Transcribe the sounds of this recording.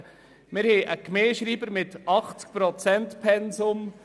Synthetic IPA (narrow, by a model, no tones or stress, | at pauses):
mɪɾhɛʔəkmeːʃɾiːbəɾmɪt̪ɑχt͡sk̚pɾɔt͡sɛnt̪pʰɛnsʊm